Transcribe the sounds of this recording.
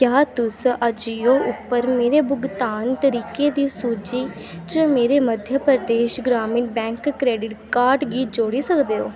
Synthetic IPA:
kjaːt̪ʊsəd͡ʒijoːʊpːəɾmeːɾeːbʊɡt̪aːnt̪əɾiːkeːd̪iːsuːd͡ʒiː | t͡ʃəmeːɾeːməd̪ʱjəpɾəd̪eːʃɡɾaːmiːnbɛ̃ːŋkːɾeːɖɪʈkaːɾɖɡiːd͡ʒoːɽiːsəkd̪eːɦoː

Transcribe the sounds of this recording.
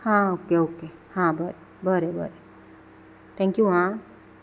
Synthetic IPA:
hãokeokehãbʱəɾe | bʱəɾebʱə̰ɾe | t̪ʰɛ̃ŋkjuɦã

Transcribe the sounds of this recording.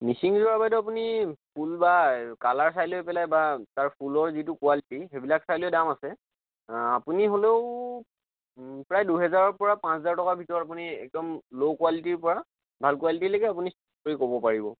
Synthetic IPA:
nisiŋzɔɹabajdɔap̬unipʰulbakalaɹs̬ajlojpɛlajbataɹpʰulɔɹzitʊkuwalitiɦebilaksajlojdamasɛ | apuniɦoleʊ | pɹajduɦɛzaɹɔɹpɔɹapãszaɹtɔkabʱitɔɹɔtap̬uniɛ̰k̚dɔmlokuwalitiɹpɔɹa | bʱalkualitilaɡɛap̬unis | koɹikobɔpaɹibɔ

